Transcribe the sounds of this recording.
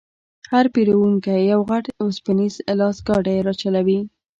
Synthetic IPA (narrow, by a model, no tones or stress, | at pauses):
haɾpiɾawuŋkajjawɣaʈospanizlɑsɡɑɖajeɾɑt͡ʃalawi